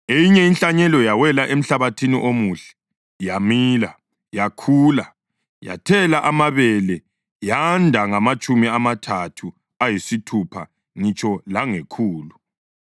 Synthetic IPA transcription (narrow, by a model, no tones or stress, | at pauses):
ejiɲɛinɬaɲɛlɔjawɛlaʔem̩ɬaβatʰinḭʔomuːɬɛ̥ | jamiːla | jakʰuːla | ja̰tʰɛlaʔamaβɛlɛ | jandʱaŋamat͡ʃʼumiamatʰatʰu | ajisitʰupʰa̰ | ŋit͡ʃʼɔlaŋekʰuːlu